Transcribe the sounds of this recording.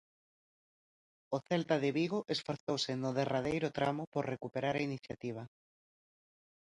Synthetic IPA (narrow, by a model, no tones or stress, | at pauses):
oθɛlt̪aðeβiɣ̞oʔesfoɾθowsenʊðeraðejɾot̪ɾamopoɾrekupeɾaɾainiθjat̪iβ̞a